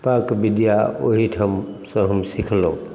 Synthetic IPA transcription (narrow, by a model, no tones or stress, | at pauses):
pakbɪd̪jaoɦiʈʰəmsə̃ɦəmsikʰlõ